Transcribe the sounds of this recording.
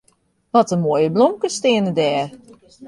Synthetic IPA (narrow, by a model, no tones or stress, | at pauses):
ʋɔtəmoːjəblomkəstɪənədɛːr